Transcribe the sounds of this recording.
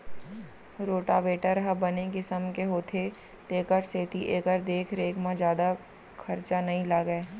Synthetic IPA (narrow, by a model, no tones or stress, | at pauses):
ɾoːʈaʋeːʈəɾɦɐbɐnekɪsəmkeɦoːt̪ʰe | t̪eːkəɾseːt̪iʔeːkəɾd̪eːkʰɾeːkʰmãd͡ʒjaːd̪a | kʰɐɾt͡ʃanɐɦĩlaːɡəeː